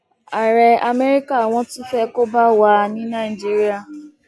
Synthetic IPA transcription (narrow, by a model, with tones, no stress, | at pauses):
a˨ɾɛ˨a˨me˦ɾi˦ka˦˨w̃ɔ̃˦tʊ˦fɛ˦ko˦ba˦wa˦nĩ˦na˦˨i˨d͡ʒi˦ɾi˦a˨